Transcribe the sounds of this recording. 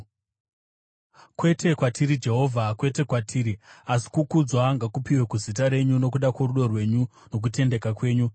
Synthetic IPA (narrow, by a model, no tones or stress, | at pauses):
kwe̞tʰe̞kwatʰiɾid͡ʒe̞ɦo̞ːvʱakwe̞te̞kwatʰiːɾiasi̥kukud͡zwaŋɡakupiwe̞kuzit̬aɾe̞ɲuno̞kuɗakworuɗo̞rwe̞ɲu | no̞k̬ute̞nde̞kakwe̞ːɲu